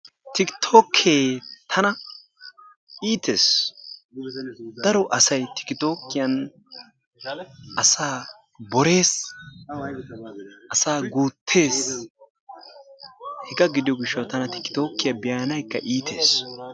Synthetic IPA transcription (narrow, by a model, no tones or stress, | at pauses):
t̪ɪkt̪ʰo̞ːkʰːeːt̪ʰɐnɐ | iːt̪ʰe̞̰ːs | d̪̥ɐɾɔʔɐsɐjt̪ɪ̥kɪt̪o̞ːkːɪjɐn | ʔɐsaː | bɔɾe̞ːs | ʔɐsaːɡuːt̪ʰːe̞ːs | hɛɡɐɡɪd̪ɪjɔɡɪʃːɐwt̪ɐnɐt̪ɪ̥kːɪ̥t̪o̞ːkːɪjɐbɪjaːnɐjkːɐʔiːt̪e̞̰ːs